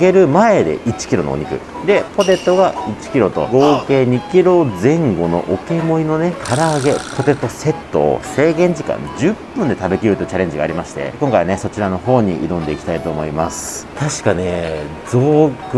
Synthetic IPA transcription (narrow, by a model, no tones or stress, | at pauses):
ɡe̞ɾɯ̟maed̪e̞̰ʔit͡ɕi̥kʲiɾo̞no̰o̰ɲ̟ikɯ̟̰ | d̪e̞po̞t̪e̞t̪ːo̞ɡait͡ɕi̥kʲiɾo̞t̪o̞̰ɡo̞ːke̞ːɲ̟ikʲiɾo̞zẽ̞ŋɡo̞no̞̰ʔoke̞mo̞ino̞ne̞kʰaɾaːɡe̞pʰo̞t̪e̞t̪ːo̞se̞t̪ːo̰se̞ːɡẽ̞ɲ̟d͡ʑikã̰ɲd͡ʑɨpːɯ̟̃nd̪e̞t̪abɯ̟kʲiɾɯt̪ːojɯ̟t͡ɕaɾẽ̞ɲ̟d͡ʑiɡaːɾʲimaɕi̥t̪e̞̰koŋkaiane̞so̞t͡ɕiɾano̞ɦo̞ːɲ̟iʔḭɾõ̞nd̪e̞ikʲi̥t̪ait̪oːmo̞imasɨ̥t̪aɕi̥kane̞ | zo̞ːk